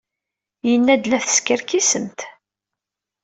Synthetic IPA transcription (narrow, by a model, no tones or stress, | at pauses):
jənːæd̪læθə̥skəɾkisəmt̪